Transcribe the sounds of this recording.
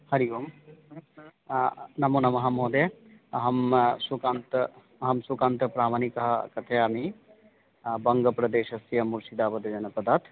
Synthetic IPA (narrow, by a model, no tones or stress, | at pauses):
hɐɾijoːm | nɐmunɐmɐɦamoːd̪eɐɦɐmsukaːnt̪ | ɐɦɐmsukaːnt̪ɐpɾaːmanikɐɦɐ̰kɐt̪ʰeami | bɐŋɡɐpɾɐd̪eːʃɐsijɐmuɾsid̪aːpɐd̪ɐd͡ʒɐnɐpɐd̪aːt̪